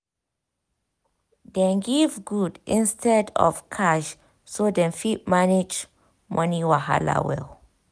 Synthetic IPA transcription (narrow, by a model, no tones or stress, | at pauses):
dɛ̃nɡivɡudĩnstʰɛdɔ̰fkʰaʃ | sodɛ̃nfit̚maned͡ʒ | mʔɔ̃niwaɦa̰la̰wɛ̰l